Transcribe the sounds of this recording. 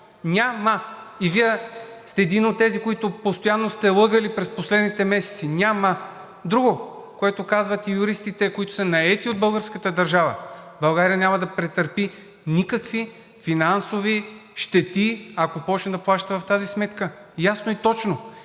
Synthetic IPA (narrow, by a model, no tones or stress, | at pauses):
nʲaməiviɛst̪ɛːd̪inot̪ːɛzikoit̪ʊpost̪ojanːost̪ɛlˠɤɡəlipɾɛsposlɛd̪nit̪ɛmɛsɛ̥t̪sinʲamə | d̪ɾuɡo | koɛt̪okazvət̪ijuɾist̪it̪ɛkoit̪o̥sɐnɐɛt̪iod̪̚bɤlˠɡəɾskət̪əd̪ɐɾʒavə̰bɐlˠɡaɾijənʲamɐd̪ɐpɾɛt̪əɾpi | nikəkvi | finansoviʃt̪ɛt̪iakopɔt͡ʃnɛd̪ɐplˠaʃt̪əvɐft̪azismɛt̪kəjasnoit̪ɔt͡ʃno